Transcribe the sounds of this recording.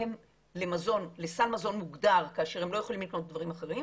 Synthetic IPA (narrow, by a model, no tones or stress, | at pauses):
em | le̞mazo̞nle̞salmazo̞nmuɡdaʁkaːʃe̞ʁhe̞mlo̞jeχolimlikno̞t̪̚d̪vaʁimaχe̞ʁim